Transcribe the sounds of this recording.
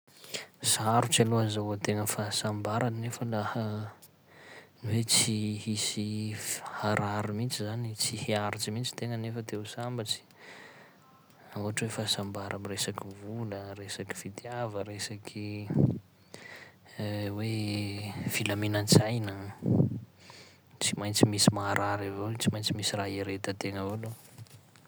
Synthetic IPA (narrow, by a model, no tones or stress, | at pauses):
saɾut͡saluazawat̪eŋəfasambaɾannefəlahə | niwet͡sihisihaɾʔaɾimint͡sizanit͡siheaɾit͡simint͡si̥t̪eŋənefət̪eusambat͡si̥ | auaʈ͡ʂwefasambaɾʔamiresakivuləresaki̥v̥it̪iavəɾesakʰi | we | filaminant͡sajnə | t͡simajnt͡simisimaːɾʔaɾavot͡simajnt͡simisiraɦeɾet̪ət̪eŋəvolo